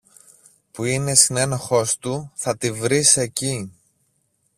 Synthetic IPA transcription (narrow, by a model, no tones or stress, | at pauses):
puine̞sine̞noxo̞st̪uθɐt̪ivɾise̞ci